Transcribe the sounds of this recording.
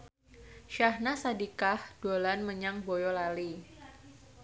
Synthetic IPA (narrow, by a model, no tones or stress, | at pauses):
ʃahnasadikahd̥olanməɲaŋbojɔlali